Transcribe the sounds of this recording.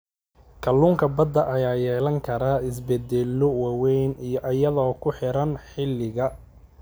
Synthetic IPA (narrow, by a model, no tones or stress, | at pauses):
kʰɐlːuːŋkʰɐbɐd̪ːɐʔɐjaːjɛːlɐŋkʰɐɾaːɪs̬bɛd̪ɛlːɔwɑwɛjnijɔʔɐjɐðɔːkʰʊħɪɾɐnħɪlːɪɣɐ